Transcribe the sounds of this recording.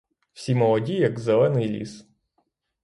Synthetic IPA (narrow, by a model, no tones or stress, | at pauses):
w̥sʲimɔlˠɔdʲijɐɡzɛlˠɛnɪjlʲḭs